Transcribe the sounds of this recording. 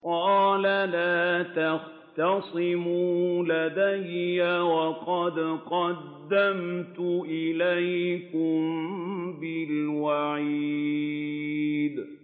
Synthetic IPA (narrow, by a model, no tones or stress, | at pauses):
qɑːlalaːt̪ɑx | t̪ɑsˤɪmuːlad̪ajːawɑqɑd̪qɑd̪ːamt̪ʊʔɪlajkʊm | bɪlwaʕiː | d̪